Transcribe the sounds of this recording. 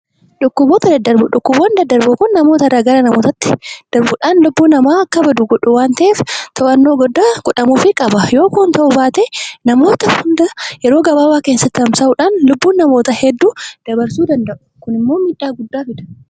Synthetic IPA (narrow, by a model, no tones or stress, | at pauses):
ᶑʊkːʊboːt̪ɐd̪ɐd̪ːɐɾbʊᶑʊkːʊboːnd̪ɐd̪ːɐɾbʊkʊnːɐmo̞ːt̪ɐɛraːɡɐɾɐnɐmoːt̪ɐt̪ːɪ̥d̪̥ɐɾbʊᶑaːnlʊbːuːnɐmaːɐkːɐbɐd̪uːɡɔᶑʊwaːnt̪ɐʔeːft̪ʰɐʔɐnːo̞ːɡɔd̪ːaɡ̥ʊᶑɐmuːfɪkʼɐbɐjo̞ːkuːnt̪ɐʔʊbaːt̪enɐmo̞ːt̪ɐhʊnd̪ɐjɛɾo̞ːɡɐbaːwaːkeːnsɐt̪ːɪhɐmsɐʔʊᶑaːnlʊbːuːnːɐmo̞ːt̪ɐhɛd̪ːuːd̪̥ɐbɐɾsuːd̪ɐnd̪ɐʔʊ̥kʊnɪmːoːmiːᶑaːɡʊd̪ːaːfɪᶑ̪ɐ̥